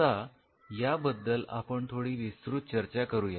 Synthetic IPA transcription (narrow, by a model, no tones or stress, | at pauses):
a | jabəd̪ːəla̰pəɳt̪ʰoɽiːʋist̪ɾut̪̚t͡ɕəɾt͡ɕakəɾuːja